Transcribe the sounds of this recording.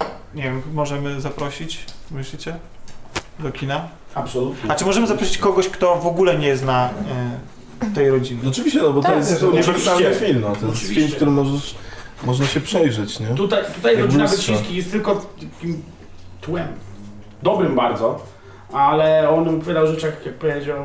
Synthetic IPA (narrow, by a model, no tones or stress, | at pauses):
ɲɛvʲɛmmɔʐɛmɘzapɾɔɕit͡ɕmɘɕlʲit͡ɕɛ | d̪ɔkʲʰina | apsɔlut̪ɲɛat͡ʂɘmɔʐɛmɘzapɾɔɕit͡ɕkɔɡɔɕkt̪ɔvɔɡulɛɲɛjɛst̪na | t̪ɛjɾɔd͡ʑinɔt͡ʂɨvʲiɕt͡ɕɛnɔbɔt̪ɔjɛsɔmɛɛaɛfʲilmat̪ɔjɛsvʲifimkkt̪uɾɘmɔʐɛ | mɔʐnaɕɛpʂɛjʐɛt͡ɕɲɛt̪ut̪ajt̪ut̪ajɾɔd͡ʑinavɛɕĩskʲijɛst̪t̪ɘlkɔt̪akʲim | t̪wɛm | d̪ɔbɾɘmbaɾd̪zɔ | alɛɔnmpɔvʲjad̪awʐɛt͡ʂaxjak̚pɔvʲed͡ʑaw